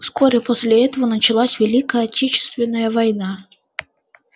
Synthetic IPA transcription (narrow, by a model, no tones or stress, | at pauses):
skɔɾʲɛpɔsʲlʲɛɛt̪əvənɐt͡ʃɪlˠasʲvʲɛlʲikəjɐtʲʰɛt͡ʃɪ̥st̪vʲɛnːəjɐvɐjna